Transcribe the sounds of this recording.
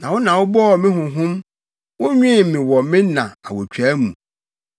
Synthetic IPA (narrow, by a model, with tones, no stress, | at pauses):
nã˨wʊ˦nã˨wʊ˦bɔ˦ɔ˨mɪ̃˦ɦʊ̃˨ɦʊ̃˦m | wʊ̃˦ɲᶣĩ˦˨mɪ̃˨wɔ˨mɪ̃˦nã̰˨a̰˨wo˨t͡ɕᶣʰæ˦mṵ̃˨